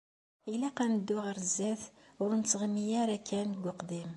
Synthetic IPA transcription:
ilæqænəd̪ːʊʁəɾzːæθ | ʊɾnt͡sːʁmijæɾækːænɡʷʊqd̪im

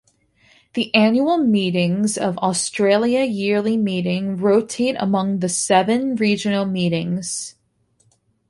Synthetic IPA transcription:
ðiʔæ̃njul̩ˠmiɾɪ̃ŋzʌvɔstɹ̥eɪlˠiɨjɪɹlˠimiɾɪ̃ŋɹoʊtʰeɪɾə̰mʌ̃ŋðɨsɛvɨ̃nɹid͡ʒɨnl̩ˠmiɾɪ̃ŋz̥

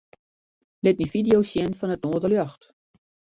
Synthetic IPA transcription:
lɪt̚mifidijowsjɛnfɔnətnoːdəljɔxt

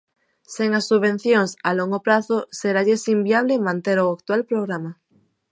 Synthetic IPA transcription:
seŋasːuββẽ̞n̟θjoŋsaloŋɡopɾaθoseɾaʎesimbiaβlemãnt̪eɾoakt̪ualpɾoɣ̞ɾama

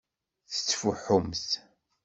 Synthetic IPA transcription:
θə̥t͡sːfuħːʊmθ

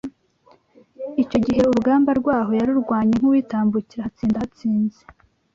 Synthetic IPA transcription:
ico̞ɟiɦe̞uɾuɡaːmbaɾɡwaːɦo̞jaɾuɾɡwaːɲeŋ̥uwiːtaːmbuciɾahat͡siːndahat͡siːnze

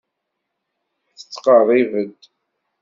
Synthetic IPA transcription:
θə̥t͡sːqəðˤivəd̪

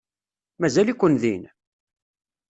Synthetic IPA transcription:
mæzælikʷːənðin

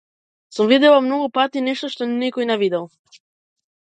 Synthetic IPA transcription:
sumvid̪ɛlˠamnoɡupat̪inɛʃt̪oʃt̪onɛkojnɛvid̪ɛlˠ

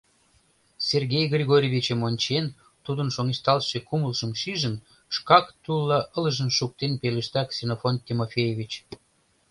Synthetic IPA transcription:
sʲerɣʲejɣrʲiɣoɾʲeβʲit͡ɕəmonʲt͡ɕen | t̪ud̪ənʃoŋeʃt̪ɑlʃekuməlʒəmʃiʒən | ʃkɑkt̪ulːɑʔələʒənʃuk̚t̪enpeləʃt̪ɑksʲenofonk̪ʲimofʲejevʲit͡ɕ

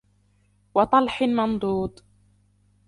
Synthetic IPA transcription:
wɑt̪ˤɑlħɪmɑnd̪ˤuːd̪ˤ

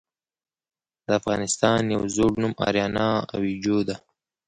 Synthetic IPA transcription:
d̪̥əafɣɑnɪst̪ɑnja̰wzoɽnumʔɑ̰ɾjɑnɑa̰wid͡ʒod̪a

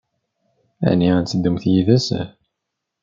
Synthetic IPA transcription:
æ̰niænt͡səd̪ːumθjiðæsæ̰

